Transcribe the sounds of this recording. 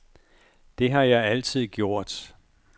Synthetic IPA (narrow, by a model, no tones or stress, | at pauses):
d̥e̝ɦɑ̈jɑ̈ɪæl̰t͡sʰið̰ˠɡ̥jo̝ɐ̰d̥